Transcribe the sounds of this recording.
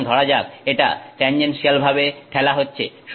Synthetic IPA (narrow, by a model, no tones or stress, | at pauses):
d̪ʱɔɽad͡ʑab̚eʈa̰ʈeɲd͡ʑenʃialbʱabeʈʰɛlaɦotːɕʰḛ | ʃ